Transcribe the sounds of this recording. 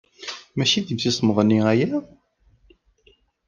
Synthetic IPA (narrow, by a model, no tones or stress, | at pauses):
mæʃiðivθisˤməʁˤənːiæjæ